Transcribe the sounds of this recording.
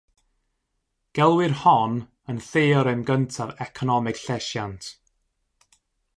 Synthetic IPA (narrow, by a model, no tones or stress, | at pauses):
ɡ̥ɛlˠwɪrhɔn | ənθeːɔɾɛmɡəntʰavɛkʰɔnɔmɪɡ̥ɬɛʃjantʰ